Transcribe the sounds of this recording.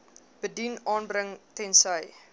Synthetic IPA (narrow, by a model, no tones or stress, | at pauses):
b̥ədinʔɑːnbrəŋtɛnsəj